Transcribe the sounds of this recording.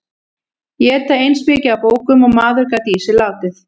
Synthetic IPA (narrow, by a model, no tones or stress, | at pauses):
jɛɛɾt̪aejnspɛːcɪawpoːwkʏmɔɣmaːðʏɾkat̪iːsɪlaːwt̪ɪθ